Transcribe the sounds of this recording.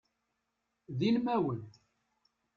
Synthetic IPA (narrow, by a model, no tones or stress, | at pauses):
ðilmæwən